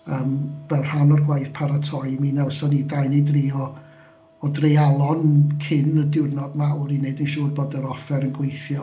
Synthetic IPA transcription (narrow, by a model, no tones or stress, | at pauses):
əːmvɛlˠr̥anɔrɡwajθpʰaɾatʰɔjminɛwsɔnidajnɨdriːɔ | ɔdrejalˠɔnkʰɪnədɪwrnɔdmaʊɾineɨdənʃuːrboːdəɾɔfɛɾənɡwejθjɔ